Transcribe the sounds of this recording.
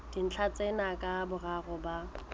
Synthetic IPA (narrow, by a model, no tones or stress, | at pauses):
d̥in̩t͡ɬʰat͡sʼenakʼabʊraɣʊba